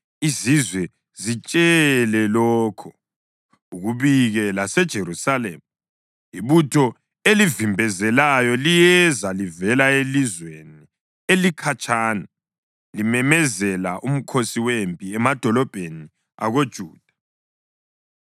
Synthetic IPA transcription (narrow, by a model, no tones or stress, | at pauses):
izizwɛ | zit͡ʃʼɛlɛlɔːkʰɔ̥ | uɣuβiɣɛlasɛd̥ʒ̥ʱeɾusalḛmu | iβutʰɔ | elivimbʱɛzɛlajɔlijɛzalivɛlaelizweni | elikʰat͡ʃʼaːna | limɛmɛzɛlaʔum̩kʰosiwempʼiɛmad̥ʱɔlɔb̥ʱeni | a̰ɣod̥ʒ̥ʱuːd̥ʱḁ